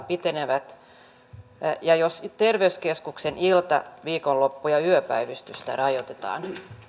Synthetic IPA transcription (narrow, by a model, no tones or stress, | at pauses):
pit̪eneʋæt̪ | jɑjost̪erʋeyskeskuksenʔilt̪ɑ̰ʋiːkollopːujɑyøpæiʋyst̪yst̪æ̰rɑjot̪et̪ɑ̰ːn